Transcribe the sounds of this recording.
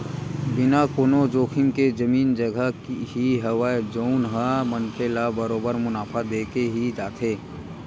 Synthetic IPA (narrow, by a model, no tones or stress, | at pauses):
bɪnakoːnod͡ʒoːkʰɪmked͡ʒəmiːnd͡ʒəɡʱəkɦiɦəwaːd͡ʒoʊnɦaməntʰelabəɾoːbəɾmʊnaːpʰad̪eːkeɦid͡ʒaːt̪ʰeː